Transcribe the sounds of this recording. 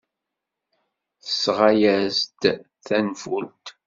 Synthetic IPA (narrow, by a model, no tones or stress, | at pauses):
θəsʁajæzd̪ | θænfult̪